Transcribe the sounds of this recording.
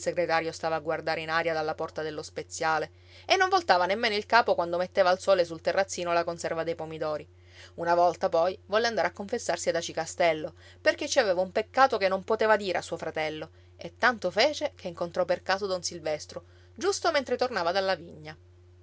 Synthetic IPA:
ilseɡɾet̪aːɾjost̪aːvaːɡward̪aːɾeinaːɾjad̪alːapɔrt̪ad̪elːospet̪sːjaːle | enːoɱvolt̪aːvanemːeːnoilkaːpokwand̪omet̪ːeːvaːlsɔːles̬ult̪erːat̪sːiːnolakonsɛrvad̪ejpomid̪ɔːɾi | unavɔlt̪apɔjvɔlːeand̪aɾakːoɱfesːarsiad̪at͡ʃikast̪ɛlːo | perk̟et͡ʃːiaveːvaumpekːaːt̪okenːompot̪eːvad̪iːɾeasːuːofɾat̪ɛlːo | et̪ːant̪ofeːt͡ʃekʰeiŋkont̪ɾɔperkaːzod̪ɔnsilvɛst̪ɾo | d͡ʒust̪oment̪ɾet̪ornaːvad̪alːaviɲːa

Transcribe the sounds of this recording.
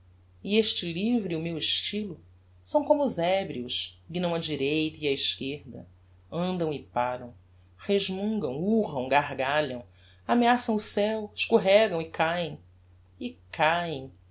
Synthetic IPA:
ieʃt͡ʃɪlivɾiʊmewɪʃt͡ʃilʊ | sɐ̃w̃kõmʊːzɛbɾiʊsɡĩnɐ̃w̃ɐd͡ʒiɾejt̪ɐiaiʃkeɾd̪ɐ̰ | ɐ̃nd̪ɐ̃w̃ɪpaɾɐ̰̃w̃ | heʒmũŋɡɐ̃w̃uʁɐ̃w̃ɡaɦɡaʎɐ̃w̃ | ameasɐ̃w̃ʊsɛwɪʃkuɦɛɡɐ̃w̃ɪkʰajẽj̃ | ɪkajẽj̃

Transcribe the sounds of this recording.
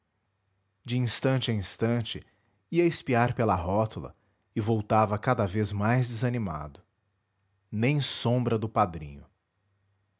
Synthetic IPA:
d͡ʒɪĩst̪ɐ̃nt͡ʃɪɐĩst̪ɐ̃t͡ʃɪ | iɐɪspiaɾpelɐɦɔt̪ʊlɐ̰ | ɪvowt̪avɐkad̪ɐvezmajzd͡ʒɪzɐnima̰d̪ʊ | nẽj̃sõbɾɐd̪ʊpad̪ɾḭ̃ɲʊ

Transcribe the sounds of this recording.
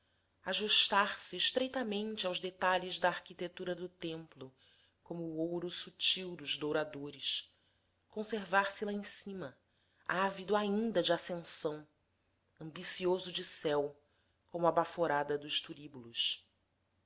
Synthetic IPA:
aʒuʃt̪aɾsɪʃt̪ɾejt̪ɐmẽnt͡ʃɪawʒd̪et̪aʎɪzd̪ɐːɾkit̪et̪uɾɐd̪ʊt̪ẽmplʊ | kõmʊːowɾʊsut͡ʃiwd̪ʊzd̪owɾad̪oɾɪs | kõseɾvaɾsɪlɐẽsĩmɐ | avid̪ʊaĩnd̪ɐd͡ʒɪasẽsɐ̃w̃ | ɐ̃mbisiozʊd͡ʒɪsɛw | kõmʊɐbafoɾad̪ɐd̪ʊʃt̪uɾibulʊs

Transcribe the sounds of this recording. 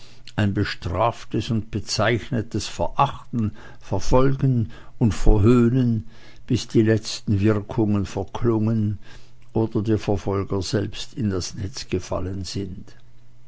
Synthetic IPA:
ʔaɪnbəʃtʁ̥aːftəsʊnt̚b̥ət͡saɪçnətəsfɛɐʔaχtn̩ | fɛɐfɔlɡən̩ʊntfɛɐɦøːnən | b̥ɪsd̥iːlɛt͡stn̩vɪʁkʰʊŋənfɛɐkʰlʊŋən | ʔoːdɐdeːɐfɛɐfɔlɡɐzɛlpstɪndasnɛt͡sɡ̥əfa̰lənz̥ɪnt

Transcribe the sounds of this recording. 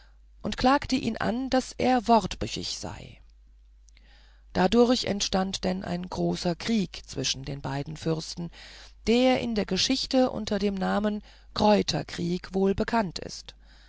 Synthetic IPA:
ʔʊntkl̥aːktəʔḭːnʔa̰nd̥asʔḛːɐvɔʁtb̥ʏçɪ̰çz̥a̰ɪ | d̥adʊɐçɛ̰ntʃtantd̥ɛnʔa̰ɪnɡʁoːsɐkʁ̥iːkt͡sv̥ɪʃn̩deːnbaɪdn̩fʏʁstn̩d̥eːɐʔɪ̰ndeːɐɡəʃɪçtəʔʊ̰ntʰɐdeːmnaːmən | kʁ̥ɔʏtʰɐ̰kʁ̥iːkvoːlbəkʰantʰɪ̰st

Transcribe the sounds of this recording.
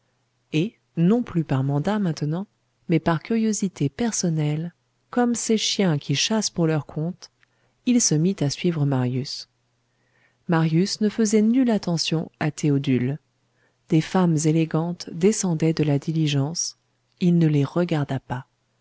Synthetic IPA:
e | nɔ̃plypaʁmɑ̃d̪amɛ̃t̪ənɑ̃ | mɛpaʁkʲyʁjozit̪epɛʁsɔnɛl | kɔmseʃjɛ̃kʲiʃaspuʁlœʁkʰɔ̃t̪ | ilsəmit̪asɥivʁəmaʁjys | maʁjysnəfəzɛnylat̪ɑ̃sjɔ̃at̪eod̪yl | d̪efamzeleɡɑ̃t̪d̪esɑ̃d̪ɛd̪əlad̪iliʒɑ̃s | ilnəleʁəɡaʁd̪apa

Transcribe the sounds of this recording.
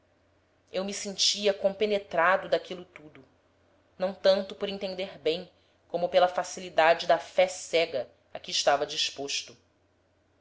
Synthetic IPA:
ewmisẽnt͡ʃiɐkõpenet̪ɾad̪ʊd̪akilʊt̪ud̪ʊ | nɐ̃w̃t̪ɐ̃nt̪ʊpoɾẽnt̪ẽnd̪eɾbẽj̃ | kõmʊpelɐfasilid̪ad͡ʒɪd̪ɐfɛsɛɡɐ | ɐkɪːʃt̪avɐd͡ʒiʃpoʃt̪ʊ

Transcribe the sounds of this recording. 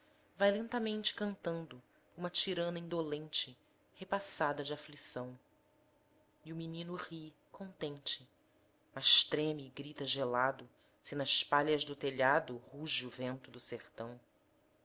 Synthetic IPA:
vajlẽnt̪ɐmẽnt͡ʃɪ̥kɐ̃nt̪ɐ̃nd̪ʊ | ũmɐt͡ʃiɾɐ̃nɐĩnd̪olẽnt͡ʃɪ | hepasad̪ɐd͡ʒɪaflisɐ̃w̃ | iuminĩnʊʁi | kʰõnt̪ẽnt͡ʃɪ | mɐʃt̪ɾẽmiɡɾit̪ɐʒelad̪ʊ | sɪnɐʃpaʎɐʒd̪ʊt̪eʎad̪ʊhuʒɪuvẽnt̪ʊd̪ʊseɾt̪ɐ̃w̃

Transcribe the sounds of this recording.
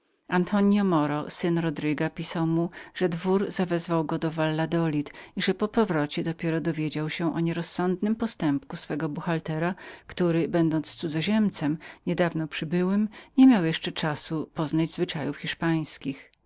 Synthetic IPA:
ant̪ʰɔɲjɔmɔɾɔsɘnɾɔd̪ɾɘɡapʲisawmuʐ̥ɛd̪vuɾz̥avɛzvawɡɔd̪ɔvalːad̪ɔlʲit̪iʐɛpɔpɔvɾɔt͡ɕɛd̪ɔpʲjɛɾɔd̪ɔvʲjed͡ʑawɕɛ̃ʔɔɲɛɾɔsːɔnd̪nɘmpɔst̪ɛmpkusfɛɡɔbuxalt̪ɛɾakt̪uɾɘbɛnd̪ɔnt̪st̪sud̪zɔʑɛmt̪sɛmɲɛd̪avnɔpʂɘbɘwɘmɲɛmʲjawjɛʂt͡ʂɛt͡ʂasupɔznad͡ʑzvɘt͡ʂajufxʲiʂpaj̃skʲix

